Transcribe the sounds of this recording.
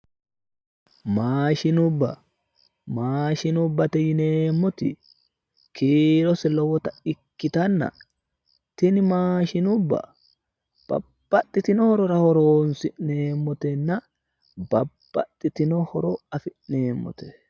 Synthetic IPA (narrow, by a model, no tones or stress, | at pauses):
maːʃɪnʊbːɐ̰ | maːʃɪnʊbːɐt̪ɛjɪneːmːɔt̪ɪ̰ | kiːɾɔsɛlɔwɔt̪ɐɪkːɪt̪ɐnːɐ̰ | t̪ɪnɪmaːʃɪnʊbːɐ̰ | b̥ɐ̰bb̥ːɐt̪ʼːɪt̪ɪnɔhɔɾɔɾɐhɔɾoːnsɪʔneːmːɔt̪ɛnːɐ | bɐb̥ːɐt̪ʼːɪt̪ɪnɔhɔɾɔɐfɪʔneːmːɔ̰t̪ɛ̥